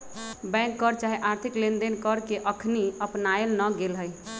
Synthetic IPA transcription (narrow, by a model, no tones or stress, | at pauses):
bɛ̃ŋkːəɾt͡ʃaɦiʔaɾt̪ʰiklend̪enkəɾkeʔəkʰniəpnaelnəɡelɦəj